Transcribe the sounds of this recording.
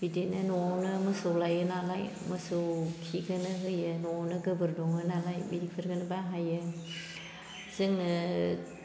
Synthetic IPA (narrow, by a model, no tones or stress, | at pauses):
bidetnanɔawnɯmɯsowlajɯnalaj | mɐsɯwkʰiɡanɯɦɯjɯnɔawnɯɡəbɯɾdɔŋɯnalajbidik̚pʰɯɾɡɯnɯbaɦajɯ | zɯŋɯ